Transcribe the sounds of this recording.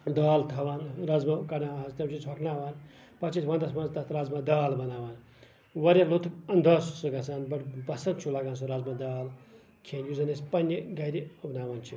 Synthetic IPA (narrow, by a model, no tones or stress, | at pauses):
d̪aːlt̪ʰɐʋaːnɾɐzmɐkɐnaːãɐst̪ʲɐmt͡ʃʰit͡sʰoknaːʋan | pɐt͡ʃʰisʋɐnd̪ɐsmɐnzt̪ɐt̪ʰɾɐzmɐd̪aːlbɐnaːʋan | ʋɐɾʲɐlot̪ʰɐnd̪ʱɐːssuɡɐsaːnbɐʈbɐsɐnt͡ʃʰulɐɡaːnsuɾazmɐd̪aːl | kʰenjuzɐnespɐnʲjɐɡɐɾʲiɐbnaːʋant͡ʃʰi